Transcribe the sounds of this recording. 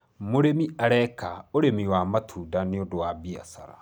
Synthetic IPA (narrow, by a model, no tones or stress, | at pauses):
moɾemiaɾɛkaoɾemiwamatʰuːdaneodowabia̰sa̰ɾa̰